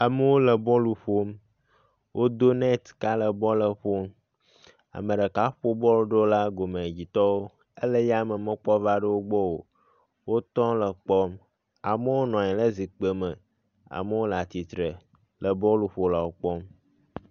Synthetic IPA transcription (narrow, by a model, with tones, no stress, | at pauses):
a˨mə˦wo˦lə˨bɔ̃˦lu˨ɸo˦m | wʔo˦d̪o˦nɛ̃˦t̪ka˦lə˨bɔ˦lə˦ɸo˦m | a̰˨mə̃˨ɖə˨ka˦ɸo˦bɔ˦lo˦ɖo˦la˦ɡo˨mẽ˨d͡ʑi˨t̪ɔ˦wo˦ | ə˦lə˦ja˦mə˨mə̃˦k͡pɔ˦va˦ɖə˦wo˦ɡ͡bɔ˦wo˨ | wo˦t̪ɔ̃˦lə˨k͡pɔ˦m | a˨mə˦wo˦nɔ̃˨ɲɛ̃˨lə˦zi˨k͡pə˨mə˨ | a̰˨mə˦wo˦lə˨a˨t̪i˨t̪ɾə˨ | lə˨bɔ̃˦lu˨ɸo˨la˨wo˦k͡pɔ˦m